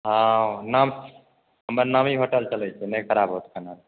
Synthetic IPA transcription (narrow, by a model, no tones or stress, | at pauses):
ɦãnəm | ɦəməɾnəmiɦoʈəlt͡ʃəlɛt͡ʃʰɛnəkʰəɾabɦot̪kʰənal